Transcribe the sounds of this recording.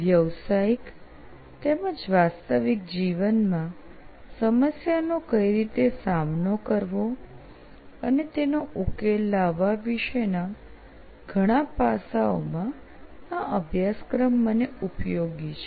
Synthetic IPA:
ʋjəʋsaik | t̪eməd͡ʒʋast̪əʋik̚d͡ʒiʋənmã | səməsjanokəiɾit̪esamnokəɾʋo | ənet̪enoʔukelːaʋaʋiʃena | ɡʱəɽ̃ãpasao̰mã | aʔəbʱjaskɾəmːəneupjoɡit͡ʃʰe̥

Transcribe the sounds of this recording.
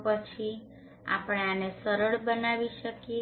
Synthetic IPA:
pət͡ʃʰi | a̰pɽ̃eanesəɾəɭbənaʋiʃəkje

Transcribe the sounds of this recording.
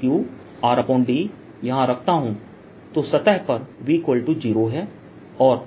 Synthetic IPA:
juː | aːɾapõːɳɖi | jɐɦãɾɐkʰt̪aɦũ | t̪osɐt̪ɛɦpɐɾʋiːkʋəlʈud͡ʒiːɾoɦɛː | ɔːɾ

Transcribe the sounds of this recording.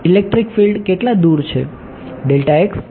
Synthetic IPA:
ilek̚ʈɾikfilɖkeʈlad̪uɾt͡ʃʰḛ | ɖelʈaeks

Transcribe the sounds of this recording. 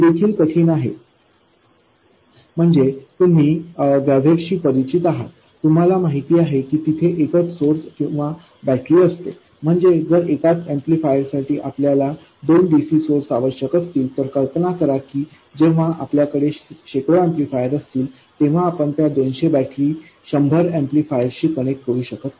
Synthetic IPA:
d̪ekʰiːlkəʈʰiːnaɦḛ | m̤əɳd͡zet̪um̤iːʋjabʱekɕiːpəɾit͡ɕit̪aɦa̰t̪ːum̤alamaɦit̪iːaɦekiːt̪it̪ʰeʔekət͡ssoɾskĩw̃ʋa | bæʈliːəst̪ḛ | m̤əɳd͡zed͡zəɾekat͡semplifajəɾsaʈiːʔapljala | d̪onɖisiːsoɾsaʋəɕəkət̪ʰt̪iːlt̪əɾkəlpənakəɾakiː | d͡ʑeʋ̤aa̰pljakəɽeɕekɾoẽmplifajəɾəst̪iːl | t̪eʋ̤aːpəɳt̪jad̪onɕebæʈliː | ɕəmbʱəɾẽmplifajəɾɕiːkəɽ̃ek̚kəɾuːɕəkət̪

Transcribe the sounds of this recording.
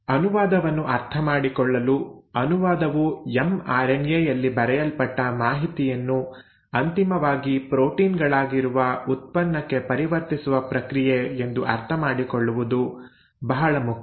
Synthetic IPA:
ɐnuʋaːd̪ɐʋɐnːuʔɐɾt̪ʰɐmaːɽikɔɭːɐluɐnuʋaːd̪ɐʋuemaːɾenjejɐlːibɐɾɛjɐlpɐʈːɐmaːɦit̪ijɐnːu | ɐnt̪imɐʋaːɡipɾo̞ːʈiːnɡɐɭaːɡiɾuʋɐut̪̚pɐnːɐkːe̞pɐɾiʋɐɾt̪isuʋɐpɾɐkɾijeend̪uʔɐ̰ɾt̪ʰɐmaːɽikɔɭːuʋud̪u | bɐɦɐɭɐmukʰɐ

